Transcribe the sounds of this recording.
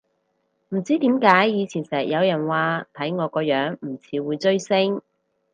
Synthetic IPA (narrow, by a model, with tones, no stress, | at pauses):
m̩˨˩t͡siː˥t̪iː˨˥mkaː˨˥jːiː˨˧t͡sʰiː˨˩nsɛː˨˩k̚jɐ˨˧wjɐ˨˩nwaː˨˧t̪ʰɐ˨˥jŋɔː˨˧kɔː˧jœː˨˥ŋm̩˨˩t͡sʰiː˨˧wuː˨˧jt͡sɵ˥ɥsɪ˥ŋ